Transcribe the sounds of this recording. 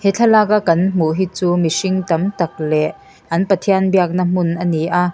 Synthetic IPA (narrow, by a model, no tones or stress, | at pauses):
hɛt͡ɬʰɐlaːkakɐnm̥uʔɦiːt͡suːmisiŋt̪ɐmt̪ɐk̚lɛʔ | ʔɐnpɐt̪ʰiɐnbiɐk̚nɐm̥unʔɐniʔaː